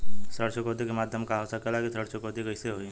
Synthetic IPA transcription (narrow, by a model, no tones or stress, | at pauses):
səɽt͡ʃəkoːd̪ikemaːd̪ʱjəmkaɦəʋsakəlakisəɽt͡ʃəkoːt̪ikɐɪseɦoi